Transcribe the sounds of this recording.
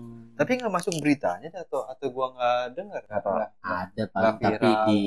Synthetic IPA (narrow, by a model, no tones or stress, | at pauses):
t̪apiŋɡaʔmasʊk̚bəɾit̪aɲadat̪awat̪awɡuaŋɡadəŋərkaaaadapaap̪aɾii